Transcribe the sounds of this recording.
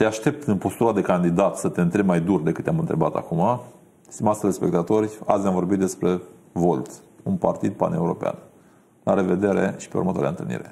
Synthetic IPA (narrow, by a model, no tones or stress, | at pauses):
t̪eaʃt̪e̞p̚t̪ɨnpo̞st̪uɾad̪e̞kand̪id̪at̪sət̪e̞nt̪ɾebʲmajd̪urd̪e̞kɨt̪eamɨnt̪ɾe̞bat̪a̰kuma | st̪imat̪sɾespe̞k̚t̪at̪o̞rʲa̰sʲjamvo̞rbit̪d̪e̞spɾe̞ | vo̞lt̪ | unpart̪id̪̚pa̰ne̞uɾo̞pea̰n | laɾe̞ve̞d̪e̞ɾḛʃi̥peṵɾmət̪oaɾḛa̰ənt̪ɨlnḭɾe̞̰